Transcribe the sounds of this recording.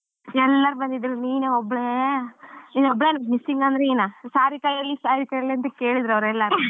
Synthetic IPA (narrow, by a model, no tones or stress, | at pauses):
ɛlːɐɾubɐnd̪id̪ɾuniːneɔbːɭe | niːnɔbːɭeːnmisːiŋɡɐnd̪ɾeeːnaːsaːɾikɐjɐlːisaːɾikɐjɐlːiɐnt̪ɐke̞ːɭid̪ɾɐʋɾɛlːɐɾu